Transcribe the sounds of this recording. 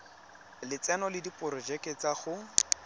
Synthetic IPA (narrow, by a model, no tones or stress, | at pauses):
lɪt͡sɛnɔlɪdipʼʊɾɔd͡ʒɛkʼet͡saχʊ